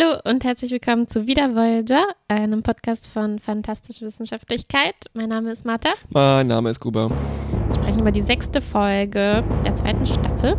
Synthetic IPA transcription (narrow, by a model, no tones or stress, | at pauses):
haloːʔʊnthɛɐt͡slɪçv̥ɪlkʰɔmənt͡suviːdɐvɔld͡ʒɐʔaɪnəmpʰɔtkʰaːstfɔnfantʰastɪʃəvɪsn̩ʃaftlɪçkʰaɪtmaɪnːaːməɪstmaɐtamaɪnːa̰ːməɪst̚ɡ̥uːbɐviːɐʃpʁ̥ɛçn̩yːbɐdiːzɛkstəfɔlɡəd̥eːɐt͡sva̰ɪtn̩ʃtafl̩